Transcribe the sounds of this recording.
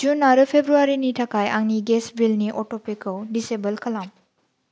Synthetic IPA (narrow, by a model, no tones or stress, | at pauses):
d͡ʒunːaɾɯpʰebɾuaɾinitʰakʰajaŋniɡesbilniʔɔtopikowdisebɐlkʰɐlam